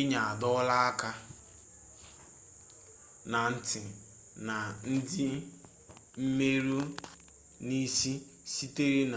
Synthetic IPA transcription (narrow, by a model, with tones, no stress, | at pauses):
ɪ˦ɲa˨a˨dɔ˦la˦a˦ka˦ | na˨n̩˦tɪ˨ | na˨n̩˦dɪ˦ | m̩˦me˦ɾu˦ | ni˦si˦ | si˦te˦ɾi˦na˨